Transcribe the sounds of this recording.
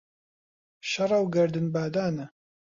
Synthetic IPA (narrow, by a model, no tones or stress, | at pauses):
ʃɐɾˤɐwɡɐɾd̪ɨnbaːd̪aːnɐ